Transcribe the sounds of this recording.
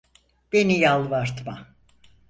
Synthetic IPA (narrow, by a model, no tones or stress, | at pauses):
b̥enijalˠvaɾt̪ma